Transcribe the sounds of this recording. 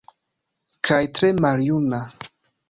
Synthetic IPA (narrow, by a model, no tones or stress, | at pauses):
kʰajtɾe̞maljuna